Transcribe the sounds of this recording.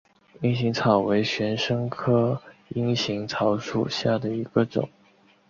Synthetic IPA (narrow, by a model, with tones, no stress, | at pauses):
i˥ŋɕi˧˥ŋt͡sʰɑ˨˩ʊwe˧˥ɪɕɥɛ˧˥nʂɤ˥ŋkʰɤ˥i˥ŋɕi˧˥ŋt͡sʰɑ˧˥ʊʂu˥˩ɕja˥˩d̪ə˩i˧˥ɡ̥ə˧ʈ͡ʂʊ̰˨˩˦ŋ